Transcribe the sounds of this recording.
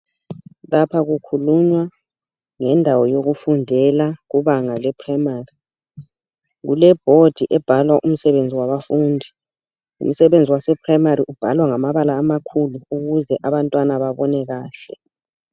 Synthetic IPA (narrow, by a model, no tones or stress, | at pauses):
lapʰaɣukʰuluɲwa | ŋɛndʱawɔjoɣufundʱɛlaɣuβaŋalɛpʰramari | ɣṵlɛb̥ʱod̥ʱiʔɛb̥ʱalwaʔum̩sɛβend͡zʱiwaβafuːndʱi | ṵm̩sɛβend͡zʱiwasɛpʰrajmariʔub̥ʱalwaŋamaβalaːmakʰuluuɣuzɛʔaβantʼwanaβaβɔnɛɣaːɬɛ̰